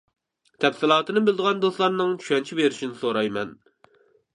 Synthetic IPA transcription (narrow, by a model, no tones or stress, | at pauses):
t̪ʰɛpsɪlˠɑːt̪ɨnɨbɪld̪əʁɑnd̪oslˠɑɾnɨŋt͡ʃʰy̥ʃɛnt͡ʃʰibeɾɪʃinɪsoɾɑjmɛn